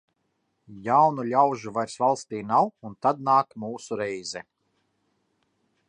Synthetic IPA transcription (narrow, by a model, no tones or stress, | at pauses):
jawnulʲawʒuvajɾsvalˠst̪iːnawunt̪ad̪̚naːkmuːsuɾɛjzɛ